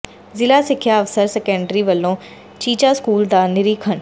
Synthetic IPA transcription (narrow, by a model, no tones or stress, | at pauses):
zɪlaːsɪkʰːjaːəʋsəɾsɛkəɳɖɾiʋəlːõː | t͡ʃiːt͡ʃaːskuːld̪aːnɪɾiːkʰəɳ